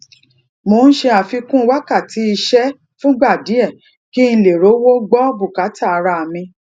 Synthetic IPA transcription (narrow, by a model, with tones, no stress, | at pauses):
mo˧n̩˦ʃe˧a˨fi˧kũ˦˧˦wa˦ka˦˨ti˨˦i˧ʃɛ˦ | fũ˦ɡ͡ba˦˨di˨˦ɛ˦˨ | ki˦n̩˧le˨ɾo˨˦wo˦ɡ͡bɔ˦bu˦˨ka˨˦ta˦˨a˨˧ɾa˧a˨mĩ˧